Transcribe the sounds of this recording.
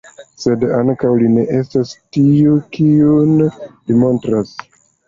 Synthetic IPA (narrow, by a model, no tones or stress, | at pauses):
se̞daŋkawline̞ʔe̞stastiukiunlimo̞ntɾas